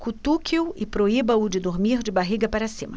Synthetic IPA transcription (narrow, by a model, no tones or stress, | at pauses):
kut̪ukiʊɪpɾoibɐʊd͡ʒɪd̪oɾmiɾd͡ʒɪbaɦiɡɐpaɾɐsĩmɐ